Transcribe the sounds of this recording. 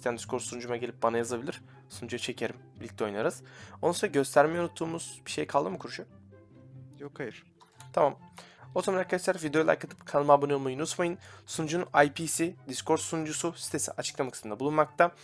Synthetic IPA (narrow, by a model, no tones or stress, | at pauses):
ist̪ʰjænd̪iskʰo̞ɾsund͡ʒumaɟelʲip̚banajazabilʲiɾ̥ | sund͡ʒujat͡ʃʰe̞cʰe̞ɾimbilʲic̚tlʲɛo̞jnaɾɯz̥olunsonaɟø̞st̪ʰæɾmejonut̪ʰːuːmuz̥biʃe̞jkʰalˠd̪ɯmɯkʰuɾuʃu | jokhajɯɾ | t̪ʰamamo̞zamanaɾkʰad̪aʃlˠaɾvid̪eolˠa̰ɾkʰat̪ʰɯ̥pkʰalˠmabonuomajunut̪majɯnsund͡ʒunajpʰiːsid̪iskʰo̞ɾt̪sund͡ʒususi̥t̪ʰe̞sḭʔat͡ʃʰɯ̥klˠamakʰɯ̥smɯnd̪abulˠunmak̚t̪ʰa